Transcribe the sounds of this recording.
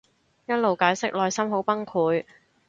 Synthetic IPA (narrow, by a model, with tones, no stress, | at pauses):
jɐ˥t̚lo˨wkaː˨˥jsɪ˥k̚lɔː˨jsɐ˥mɦo˨˥wpɐ˥ŋkʰuː˨˧j